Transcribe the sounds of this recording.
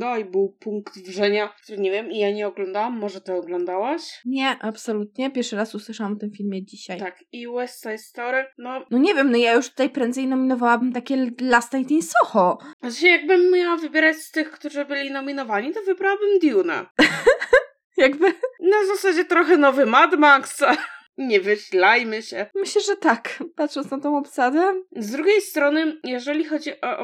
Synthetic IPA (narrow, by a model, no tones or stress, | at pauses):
d̪aibɘwpuŋkt̪vʐɛɲakt̪uɾɘɲɛvʲjɛmijaɲɛɔɡlɔ̃nd̪awamːɔʐɛt̪ɛɔɡlɔnd̪awaɕɲɛʔapsɔlut̪ɲɛpʲjɛɾʂɘɾasuswɘʂawamɔt̪ɘmfʲilmʲjɛd͡ʑiɕajt̪akiwɛst̪sajst̪ɔɾɘnɔnɔɲɛvʲjɛmnɔjajuʂt̪ut̪ajpɾɛnd̪zɛjnɔmʲinɔvawabɘmt̪akʲɛlast̪ajt̪insɔxɔauɕɛjaɡ̚bɘmːɲawavɘbʲjɛɾat͡ɕst̪ɘxkt̪uʐɘbɘlʲinɔmʲinɔvaɲit̪ɔvɘbɾawabɘmd̪ʲjuna̰ | jaɡbɘnazasad͡ʑɛt̪ɾɔxɛnɔvɘmad̪maks | ɲɛvɘɕlajmɘɕɛmɘɕlɛʐɛt̪akpat̪ʂɔnt̪snat̪ɔ̃w̃ɔpsad̪ɛzd̪ɾuɡʲejst̪ɾɔnɘjɛʐɛlʲixɔd͡ʑiʔɔ